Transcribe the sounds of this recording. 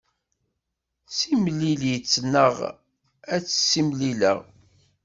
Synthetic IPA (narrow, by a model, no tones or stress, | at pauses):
simliljət͡sːnːəʁ | æt͡sːsːimlilə̰ʁ